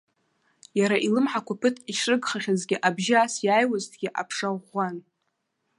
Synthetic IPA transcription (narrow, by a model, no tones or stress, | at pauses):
jaɾaʔilɨmħakʷʰapʰɨtʰiʃrɨɡχaχʲazɡʲɪʔabʒɪaːsjaːjwaztʰɡʲɪʔa̰pʰʂaʁʷan